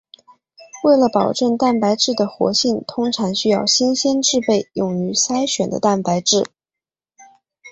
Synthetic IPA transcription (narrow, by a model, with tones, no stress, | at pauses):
we˥˩ɪlə˩pɑ˨˩ʊʈ͡ʂə˥˩ŋt̪a˥˩npa˧˥ɪʈ͡ʂɻ̩˥˩d̪ə˩xwɔ̰˧˥ɕi˥˩nt̪ʰʊ˥ŋʈ͡ʂʰɑ˧˥ŋɕy˥jɑ˥˩ʊɕɛ˥nɕjɛ˥nʈ͡ʂɻ̩˥˧pe˥˩ɪjʊ˨˩ŋy˧˥sa˥ɪɕɥɛ˨˩nd̪ə̰˦t̪a˥˩npa˧˥ɪʈ͡ʂɻ̩˥˩